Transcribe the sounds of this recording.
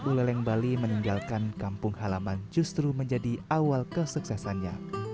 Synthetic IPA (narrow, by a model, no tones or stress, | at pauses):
bulɛlɛŋbaliməniŋɡalkankampʊŋhalamand͡ʒust̪ɾuməɲd͡ʒadiawalkəsuksɛsanɲa̰